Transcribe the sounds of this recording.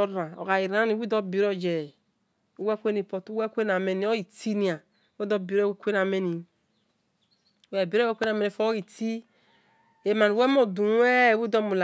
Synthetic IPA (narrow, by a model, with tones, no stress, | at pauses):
o˦a˨o̰˨ɡa˨i˨ɾa˦ni˨wi˦do˦bi˨ɾɔ˦d͡ʒɛ˨ | u˦we˦kʷe˦ni˨po˨tu˦wɛ˦kʷe˦n˨a˨me˨ni˨˦o˦i˨ti˦ni˨a˨˦ | we˦dɔ˦bi˨ɾe˦kʷe˦n˨a˨me˦ni˨ | wɛ˨bi˨ɾwe˦kʷe˦na˨me˨ni˨fo˦i˨ti˦ | e˨ma˨ni˨we˦mo˦˨du˨˦e˦˨wi˦dɔ˦mu˨la˨